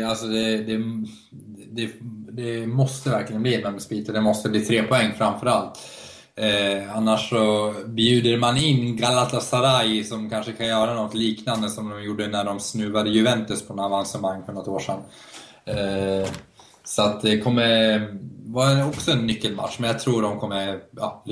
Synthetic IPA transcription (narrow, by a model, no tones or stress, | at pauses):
alsɔd̪ɛd̪ɛ | d̪ɛd̪ɛmɔst̪əvæɾklɪɡənbliːmɛlɔmspiːt̪əd̪ɛmɔst̪əbliːt̪ʰɾeːpʰɔɛŋːfɾamfœɾalt̪ | anːaʂːɔbjʉ̟ːd̪əɾmanɪnːɡalat̪asaɾajsɔmkʰanʂəkʰanjœːɾanɔt̪ːliːknand̪əsɔmd̪ɔmjuɖːənæɖɔmsnʉ̟ːvad̪əjɵvɛnt̪ɵspʰɔnavansəmaŋːfɔɳɔt̪ːoːʂɛ̰nː | sɔat̪̚d̪ɛkʰɔmːə | vaɛɔksɔɛnːʏkːəlma̰t̪ʂmɛnjat̪ʰɾuːɾd̪ɔmkʰɔmːəʔɑ̰ː